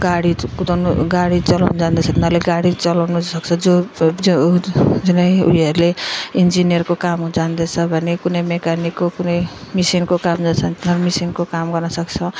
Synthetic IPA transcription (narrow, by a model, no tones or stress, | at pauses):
ɡaɽikut̪nuɡaɽit͡sʌlawnd͡zand̪et͡sʰʌt̪inaleɡaɽit͡sʌlawnusʌkt͡sʰʌd͡zo | d͡zunʌjṵɦʌɾuleind͡zinijʌrkokamd͡zand̪et͡sʰʌbʱʌnekunʌjmekanikːokunʌjmisinkokamd͡zat͡sʰʌnt̪inʌɾmisinkokamɡʌrnʌsʌkt͡sʰʌ